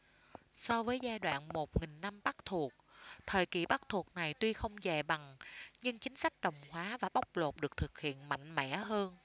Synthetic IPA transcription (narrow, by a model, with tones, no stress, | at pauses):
sɔ˧vəː˨˦jzaː˧jɗwa̰ː˧˨nmo˨˩t̚ŋï˨˩ŋ̟na˧mɓa˦˥k̚t̪ʰu˨˩ək̚t̪ʰəː˨˩jkḭ˨˩ɓa˦˥k̚t̪ʰu˨˩ək̚na˨˩jt̪wi˧xə˧wŋ͡mzɛ˨˩ɓa˨˩ŋɲɨ˧ŋt͡ɕï˨˦ŋ̟sa˦˥jk̟̚ɗə˨˩wŋ͡mhwaː˨˦vaː˨˩ɓa˦˥wk͡p̚lo˨˩t̚ɗɨ˨˩ək̚t̪ʰɨ˨˩k̚hḭ˧˨ənma̰˧˨jŋ̟mɛ̰˧˥ɦəː˧n